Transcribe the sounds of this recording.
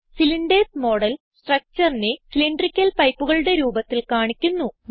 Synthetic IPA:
siliɳɖesmo̞ːɽɐl | sʈrɐk̚t͡ɕɐrinesiliɳɖrikʲːɐlpɐjpːuɣɐɭuɽe̞ɾuːbɐt̪ːilkaːɳikʲːunːu

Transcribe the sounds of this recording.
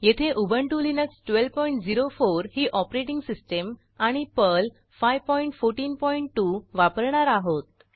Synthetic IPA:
jet̪ʰeʔubʱəɳʈulinəksʈʋelpɔiɳʈd͡ziɾofoɾhiːʔɔpɾeʈiŋɡsisʈəm | aɽ̃ipəl | fajʋpɔiɳʈfoɾʈiːnpɔiɳʈːuʋapəɾɳaɾaɦot̪̚

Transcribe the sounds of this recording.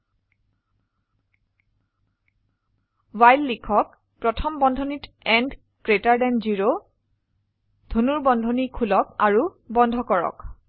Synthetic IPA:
wajlːikʰɔk̚ | pɹɔtʰɔmbɔndʱɔnit | ɛnd | kɹetaɹdɛnziɹo | d̥ʱonuɹbɔndʱɔnikʰulɔk̚aɹu | bɔndʱɔkɔɹɔ̰k

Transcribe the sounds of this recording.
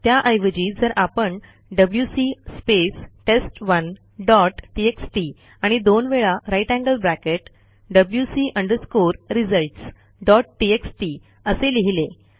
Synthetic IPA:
t̪jaʔəjʋəd͡ʑiːd͡zəɾʔapəɳ | ɖəbljusispesʈesʈʋən | ɖɔʈʈieksʈi | aɽ̃id̪onʋeɭaɾajʈæ̃ŋɡəlbɾækeʈ | ɖəbljusiʔəɳɖəɾskoɾɾid͡zəlʈs | ɖɔʈʈieksʈi | əseliɦile

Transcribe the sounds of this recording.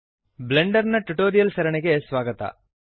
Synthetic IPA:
bleɳɖɐɾnɐʈuʈoːɾijɐlsɐɾɐɳeɡesʋaːɡɐt̪ɐ̰

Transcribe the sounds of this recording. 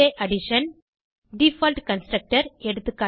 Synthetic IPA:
eːʔɐɽɪʂɐn | ɖifaːlʈkɐnsʈɾɐk̚ʈɐɾɛɽɯt̪ːɯkːaː

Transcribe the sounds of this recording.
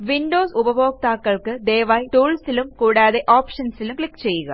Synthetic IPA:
ʋinɖoːsubɐbo̞ːk̚t̪aːkːɐɭkɨd̪e̞ːʋaːjʈuːɭsilumkuːɽaːðe̞ʔoːpʂɐnsilumkɭikːt͡ɕe̞jːuɣɐ̰

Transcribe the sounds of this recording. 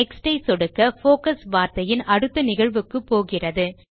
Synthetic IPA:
ɛksʈɐɪsɔɽɯkːɐfoːkɐsʋaːɾt̪ɐjɪnɐɽɯt̪ːɐnɪɣɐɻʋɯkːɯpːoːɣɪrɐðɯ

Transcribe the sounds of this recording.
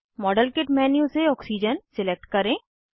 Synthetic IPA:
mɔːɖəlkɪʈmɛːnjũseɔːksiːd͡ʒənsɪlek̚ʈkɐɾẽː

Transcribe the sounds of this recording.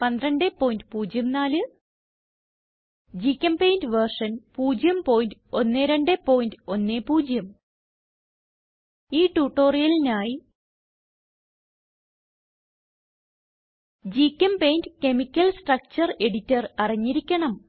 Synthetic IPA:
pɐnd̪ɾɐɳɖepːo̞ːjindɨpuːd͡ʑjɐmnaːlɨ | d͡ʑikʲːɐmpejndʋɐrʂɐnpuːd͡ʑjɐmpo̞ːjindɨo̞nːeɾeɳɖepo̞ːjindɨo̞nːeːpuːd͡ʑjɐm | iːʈuːʈːo̞ːrijɐlinaːji | d͡ʑikʲːɐmpejndɨke̞mikʲːɐlsʈrɐk̚t͡ɕɐre̞ɽitːɐrɐriɲːiɾikʲːɐɳɐm

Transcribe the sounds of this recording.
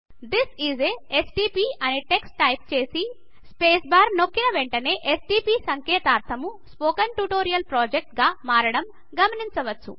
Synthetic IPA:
d̪isizeesʈiːpiːɐneʈeksʈɐjp̚t͡ʃe̞ːsi | speːsbaːɾno̞kːinɐʋeɳʈɐne̞ːʔesʈiːpiːsɐŋkɛːt̪aːɾt̪ʰɐmuspoːkɐnʈuʈoːɾijɐlpɾoːd͡ʒek̚ʈɡaːmaːɾɐɽɐm | ɡɐmɐniɲt͡ʃɐʋɐt͡ʃːṵ

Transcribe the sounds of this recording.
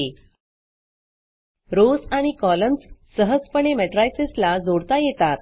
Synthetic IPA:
e | ɾosaɽ̃ikɔləmsː | əɦəd͡zpəɳ̃emɛʈɾajseslad͡zoɽt̪ajet̪at̪̚

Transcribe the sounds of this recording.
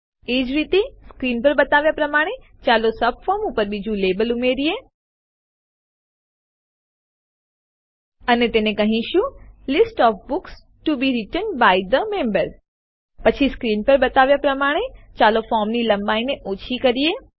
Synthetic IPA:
eːd͡ʒɾit̪iskɾiːnpəɾbɐt̪aːʋjapɾɐmaːɽ̃e | t͡ʃaːlosɐb̚fɔːmupəɾbid͡ʒʱũleːbəlumeɾie | ənet̪enẽkɐɦĩʃjũlɪsʈɔːfbʊks | ʈubiɾɪʈənbaɪd̪əmẽmbəɾ | pət͡ʃʰiskɾiːnpəɾbɐt̪aːʋjapɾɐmaːɽ̃et͡ʃaːlofɔːɾmnilɐ̃mbaːineʔoːt͡ʃʰikəɾieː

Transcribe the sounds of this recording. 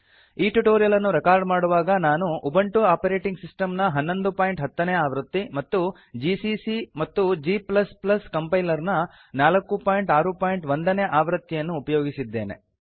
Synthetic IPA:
iːʈuʈoːɾijɐlɐnːuɾɛkaːɾɖmaːɽuʋaːɡɐnaːnuʔːbɐɳʈuaːpɐɾeːʈiŋɡsisʈɐmnɐɦɐnːo̞nd̪upaːjɳʈɦɐt̪ːɐneːaːʋɾɐt̪ːimɐt̪ːu | d͡ʒisisimɐt̪ːud͡ʒiːplɐsplɐskɐmpɐjlɐɾnɐ | naːlɐkːupaːjɳʈaːɾupaːjiɳʈʋond̪ɐneːʔaːʋɾɐt̪ːijɐnːuːpɐjoːɡisid̪ːe̞ːnḛ

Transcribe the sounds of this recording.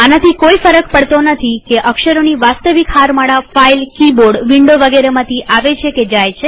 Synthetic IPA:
anat̪ʰikoifəɾəkpəɽt̪onət̪ʰikeʔəkʃəɾoniʋast̪əʋikɦaɾmaɽafailkiboɖʋiɳɖoʋəɡeɾemãt̪ʰiʔaʋet͡ʃʰeked͡ʒajt͡ʃʰe

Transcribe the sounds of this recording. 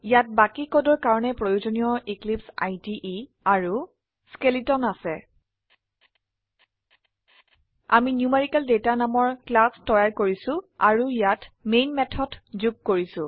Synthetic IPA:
ijat̚bakikodɔɹkaɹɔnɛpɹojuzonijɔiklipsajtiʔi | aɹu | skelitɔnasɛ | a̰minjumeɹikaldetanamɔɹklastɔjaɹkoɹisʊ̃a̰ɹuijatmejnmɛtʰɔdzuɡ̚koɹisʊ̃

